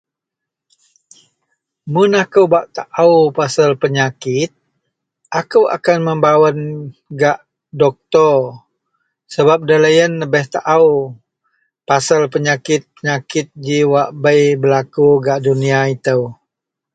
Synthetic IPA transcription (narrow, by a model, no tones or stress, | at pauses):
munakəwbaʔt̪aʔawpasəlpəɲakɪt̪̚ | ʔakəwʔa̰kanməmbawənɡaʔ | dɔk̚t̪ɔr | səbap̚dələjənləbɛht̪aʔaw | pasəlpəɲakɪt̪̚pəɲakɪt̪̚d͡ʒiwaʔbəjbəlakuɡaʔduniait̪əw